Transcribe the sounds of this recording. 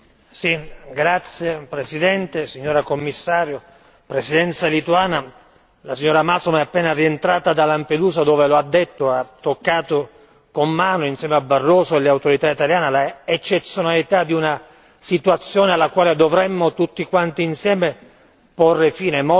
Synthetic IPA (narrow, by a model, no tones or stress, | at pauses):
siɡɾat̪sjepɾesid̪ɛnt̪esiɲːoːɾakomːisːaːɾjo | pɾesid̪ɛnt̪salit̪uaːna | lasiɲːoːɾamasomɛapːɛːnarient̪ɾaːt̪ad̪alamped̪uːzad̪oːveload̪ːet̪ːoat̪ːokːaːt̪o | komːaːnoinsjɛmeabarːoːsoeleawt̪oɾit̪ait̪aljaːnalaet͡ʃːet̪sːjonalit̪ad̪iuna | sit̪uat̪sːjoːnealːakwaːled̪ovɾɛmːot̪ut̪ːikwant̪iːnsjɛːme | porːefiːnemo